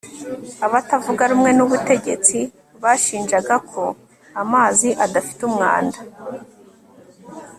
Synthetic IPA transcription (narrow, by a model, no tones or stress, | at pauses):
aβatavuɡaɾumŋe̞nuβute̞ɟe̞t͡si | βaʃiːnʒaɡakʰo̞ | amaːziʔadafi̥tumŋa̰ːnda